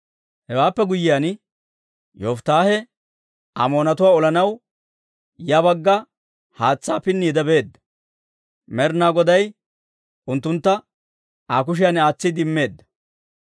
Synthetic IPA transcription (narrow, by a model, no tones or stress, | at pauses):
hɛwaːpːɛɡʊjɪjan | joːft̪aːhɛ | ʔɐ̰mo̞ːnɐt̪ʊwaːɔlɐnɐw | jɐbɐɡːɐ | haːt͡sːaːpɪnːiːd̪ɐbe̞ːd̪ːɐ̥ | mɛɾnaːɡɔd̪ɐj | ʊnt̪ːʊnt̪ːɐ | aːk̬ʊʃ̬ɪjanaːt͡sːɪd̪ɪmːe̞ːd̪ːɐ̥